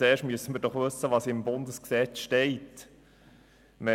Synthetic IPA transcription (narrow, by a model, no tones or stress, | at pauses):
eːʃtmyəsəməɾd̥ɔχʋɵsːəʋɑːsɪmbʊnd̪əsksɛt͡sʃteɪt | mɛ